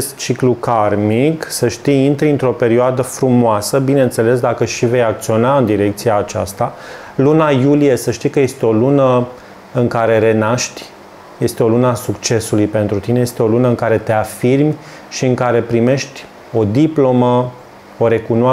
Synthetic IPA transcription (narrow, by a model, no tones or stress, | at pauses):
est̪̚t͡ʃiklukarmiksəʃt̪ijint̪ɾiɨnt̪ɾo̞pe̞ɾioad̪əfɾumoasəbine̞nt̪se̞le̞s̬d̪akəʃive̞jak̚t̪sio̞naɨnd̪iɾe̞k̚t̪sijaːt͡ʃa̰st̪a | lunajulije̞səʃt̪ikəje̞st̪eo̞lunə | ɨŋkaɾe̞ɾe̞naʃt̪ʲ | je̞st̪eo̞lunəasukt͡ʃe̞sulujpe̞nt̪ɾut̪ineje̞st̪eo̞lunəɨŋkaɾe̞t̪e̞afirmʲ | ʃiɨŋkaɾe̞pɾime̞ʃt̪ʲ | o̞d̪iplo̞mə | oɾe̞kunoa